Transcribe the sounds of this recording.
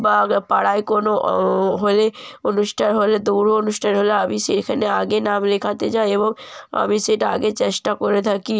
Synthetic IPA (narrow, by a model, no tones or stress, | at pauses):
bapaɽaekonoɦoleonuʃʈʰanɦoled̪uɾoonuʃʈʰanɦoleabisekʰaneaɡenamlekʰat̪ed͡ʑaeeboŋa̰miseʈa̰ɡet͡ɕeʃʈakoɾet̪ʰaki